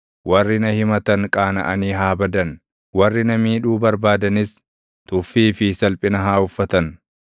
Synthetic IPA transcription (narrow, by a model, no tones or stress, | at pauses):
wɐrːɪnɐhɪmɐt̪ɐŋkʼaːnɐ̰ʔɐniːɦaːbɐd̪ɐn | wɐrːɪnɐmiːᶑuːbɐɾbaːd̪ɐnɪs | t̪ʊfːiːfɪsɐlpʼɪnɐɦaːʊfːɐt̪ɐn